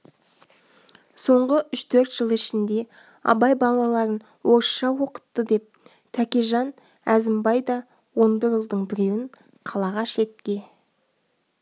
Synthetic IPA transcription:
so̞ɴʁəʏʃt̪ʰɵɾt̪ʒ̥əlˠɪʃɪnd̪e̞ | ɑ̰bɑjbɑlˠɑlˠɑɾən | wo̞ɾʃʃɑwo̞qə̥t̪ːəd̪e̞p̚ | t̪ʰækʲeʒɑn | æzɪmbɑjd̪ɑ | wo̞nbɪɾʒəlˠd̪əɴbɪɾe̞wɪŋ | qʰɑlˠɑʁɑʃe̞t̪kʲe̞

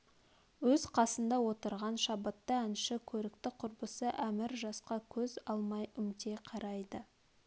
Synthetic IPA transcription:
wɵzqʰɑsənd̪ɑwo̞t̪əɾʁɑnʃɑbət̪ːəænʃɪkʲʰɵɾɪkt̪ɪqʰʊɾbəsəʔæmɪɾʒɑsqɑkʲʰɵzɑlˠmɑjʏmt̪e̞qʰɑɾɑjd̪ə

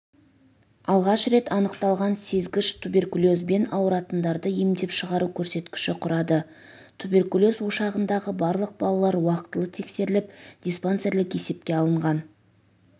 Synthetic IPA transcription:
ɑlˠʁɑʃɾe̞t̪ɑnəqt̪ɑlˠʁɑnse̞zɡʲɪʃt̪ʰube̞rkulʲˠo̞zbe̞nɑwəɾɑt̪ənd̪ɑɾd̪əjemd̪e̞pʃəʁɑɾukʲʰɵɾse̞t̪kʲɪ̥ʃɪqʰʊɾɑd̪ə | t̪ʰubʲe̞rkulʲo̞zwo̞ʃɑʁənd̪ɑʁəbɑɾlˠəq̚bɑlˠɑlˠɑɾwɑqət̪əlˠət̪ʰe̞kse̞ɾɪlɪp̚d̪̥ʲijsponse̞ɾlɪke̞se̞pkʲe̞ɑlˠəɴʁɑn

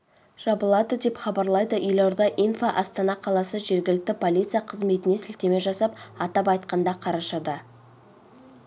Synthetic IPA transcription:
ʒ̥ɑbəlˠɑd̪əd̪e̞pχɑbɑɾlˠɑjd̪əʔʏjlˠoɾd̪ɑʔijnfaʔɑst̪ɑnɑqʰɑlˠɑsəʒe̞ɾɡʲɪlɪk̚t̪ɪpʰo̞lʲijt̪sɨjaqʰəzme̞t̪ɪne̞sɪlt̪e̞me̞ʒɑsɑpɑt̪ɑp̬ɑjt̪̚qɑnd̪ɑqʰɑɾɑʃɑd̪ɑ

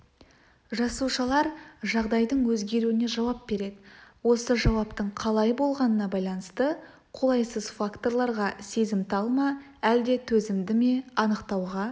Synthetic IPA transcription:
ʒɑsuʃɑlˠɑɾʒɑʁd̪ɑjd̪əɴwɵzɡʲe̞ɾuɪne̞ʒɑwɑp̚be̞ɾe̞d̪ɪwo̞səʒɑwɑpt̪əɴqʰɑlˠɑjbo̞lˠʁɑnənɑbɑjlˠɑnəst̪ə | qʰo̞lˠɑjsəzfakt̪o̞rlˠɑɾʁɑse̞zɪmt̪ɑlˠmɑ | æld̪e̞t̪ʰɵzɪmd̪ɪme̞ɑnəqt̪ɑwʁɑ

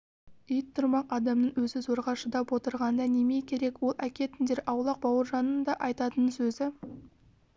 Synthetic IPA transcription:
ijt̪ʰːʊɾmɑqɑd̪ɑmnəɴwɵzɪzo̞ɾʁɑʃəd̪ɑpwo̞t̪əɾʁɑnd̪ɑne̞me̞jkʲʰe̞ɾe̞kwo̞lˠʔækʲe̞t̪ɪnd̪e̞ɾʔɑwlˠɑq̚bɑwəɾʒɑnənd̪ɑʔɑjt̪ɑt̪ənsɵzɪ

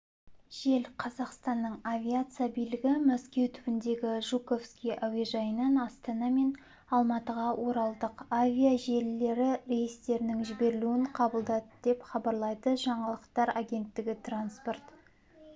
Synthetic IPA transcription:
ʒ̥e̞lqʰɑzɑqst̪ɑnːəɴavʲiat̪sɨjabijlɪɡʲɪmæskʲe̞wt̪ʰʏbɪnd̪e̞ɡʲɪʒuko̞fskʲijʔawiʒɑjənɑnɑst̪ɑnɑme̞n | ɑlˠmɑt̪əʁɑwʔo̞ɾɑlˠd̪əqavʲijaʒe̞lːe̞ɾɪɾejɪst̪e̞ɾnɪŋʒɪbe̞ɾɪluɪɴqʰɑbəlˠd̪ɑd̪əd̪̥e̞pχɑbɑɾlˠɑjd̪əʒɑɴɑlˠəqt̪ɑɾaɡʲe̞nt̪ːɪɡʲɪt̪ranspo̞rt̪

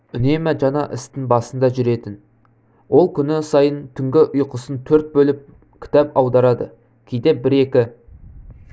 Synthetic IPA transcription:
ʏne̞mæʒɑnɑʔɪ̰st̪ɪŋbɑsənd̪ɑʒʏɾe̞t̪ɪn | wo̞lˠkʲʰʏnɪsɑjənt̪ʰʏŋɡʲɪʔʊjqəsənt̪ʰɵɾt̪̚bɵlɪp̚ | kʲʰɪ̥t̪ɑpɑwd̪ɑɾɑd̪ə | kʲʰejd̪e̞bɪɾe̞kʲɪ

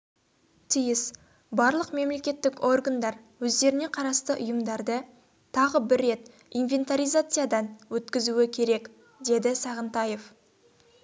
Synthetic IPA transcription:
t̪ʰijɪs | bɑɾlˠəqme̞mle̞kʲe̞t̪ːɪko̞rɡand̪ɑɾ | wɵzd̪e̞ɾɪne̞qʰɑɾɑst̪əʔʊjəmd̪ɑɾd̪ə | t̪ʰɑʁəbɪɾːe̞t̪ | inve̞nt̪aɾijzat̪sɨjad̪ɑnwɵt̪kʲɪzuwɪkʲʰe̞ɾe̞k | d̪e̞d̪ɪsɑʁənt̪ɑje̞f

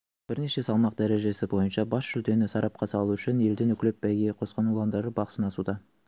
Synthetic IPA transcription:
b̥ɪɾne̞ʃe̞sɑlˠmɑqd̪æɾe̞ʒe̞sɪbo̞jənʃɑbɑsʒ̥ʏld̪e̞nɪsɑɾɑp̚qʰɑsɑlˠuʏʃɪnje̞ld̪ɪnʏkʲlep̚bæjɡʲeqʰo̞sqɑnulˠɑnd̪ɑɾəbɑqəsənɑsud̪ɑ

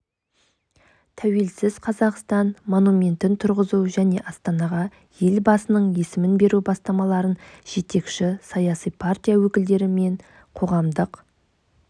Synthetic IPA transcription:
t̪ʰæwe̞lsɪz̥qʰɑzɑqst̪ɑnmo̞numʲe̞nt̪ɪnt̪ʰʊɾʁəzuʒæne̞ʔɑst̪ɑnɑʁɑ | je̞lbɑsənəɴje̞sɪmɪnbe̞ɾubɑst̪ɑmɑlˠɑɾənʒ̥e̞t̪e̞kʃɪsɑjɑsijpʰart̪ʲijawɵkʲɪld̪e̞ɾɪme̞ɴ | qʰo̞ʁɑmd̪əq

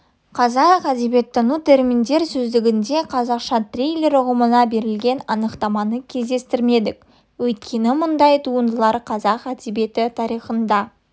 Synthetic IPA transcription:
qʰɑzɑqæd̪e̞be̞t̪ːɪnut̪ʰe̞ɾmind̪e̞ɾsɵzd̪ɪɡʲɪnd̪e̞qʰɑzɑqʃɑt̪rʲejlʲe̞ɾʊʁəmənɑbe̞ɾɪlɡʲe̞nɑnəqt̪ɑmɑnəkʲʰe̞zd̪e̞st̪ɪɾme̞d̪ɪk | wɵjt̪kʲe̞nɪmʊnd̪ɑjt̪ʰuənd̪əlˠɑɾqʰɑzɑqæd̪e̞be̞t̪ɪt̪ʰɑɾijχənd̪ɑ

